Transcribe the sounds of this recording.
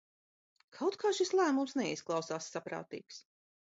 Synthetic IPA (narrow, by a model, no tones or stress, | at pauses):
kʰawt̪kʰaːʃislˠæːmumsnɛisklˠawsaːsːapɾa̰ːt̪ḭːks